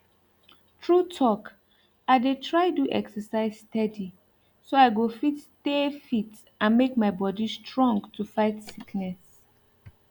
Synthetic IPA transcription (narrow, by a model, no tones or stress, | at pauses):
tʰɹutʰɔk | aɪdetʰɹaɪduʔɛ̰ksəsaɪzstɛdi | soaɪɡofittefit | ãnmekmaɪbɔdistɹɔ̃ŋɡtʰufaɪtsiknɛs